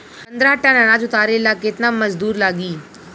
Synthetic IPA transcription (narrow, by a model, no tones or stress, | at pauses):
pɐ̃nd̪ɾaːʈːãnanaːd͡ʒʊt̪aːɾelaːkɪt̪naməzd̪uːɾlaːɡiː